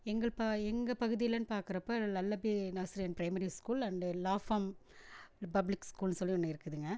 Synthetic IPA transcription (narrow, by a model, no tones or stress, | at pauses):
ɛŋɡɐɭpaɛŋɡɐpɐɣɯðɪjɪlɐnːɯpaːɾkɯɾɐpːɐːnɐlːɐbinɐɣsɾijɐnpɾɐɪmɐɾiskuːlɐnd̪ɯlaːfaːm | pɐblɪkskuːlnsɔlːiɔnːɐɪɾɯkːɯðɯŋɡɐ